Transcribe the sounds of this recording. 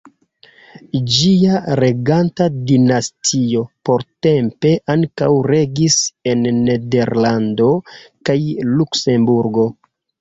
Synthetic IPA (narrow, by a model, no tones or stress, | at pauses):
d͡ʒiaɾe̞ɡantadinastʰio̞po̞ɾte̞mpe̞ʔaŋka̰wɾe̞ɡise̞nːe̞de̞ɾlando̞kajlukse̞mbuɾɡo̞